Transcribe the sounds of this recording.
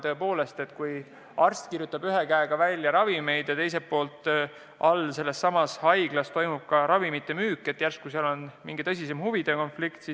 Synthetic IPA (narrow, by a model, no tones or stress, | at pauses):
t̪ɤepo̞ːle̞st̪e̞t̪kuj | ɑrst̪kirjut̪ːˑɑbyɦe̞kæeɡ̥ɑvælʲːjɑɾɑvime̞jd̪̥jɑt̪e̞js̬e̞ppːo̞ːlt̪ˑ | ʔɑlse̞lːe̞sːɑmɑshɑjɡ̥lɑst̪o̞jmub̥̚kɑɾɑvimit̪ːˑe̞myːkːˑe̞t̪ːˑjærst̪̚kuseɑlo̞nmḭŋɡ̥it̪ɤsʲisemhuvid̪̥e̞ko̞nflikt̪si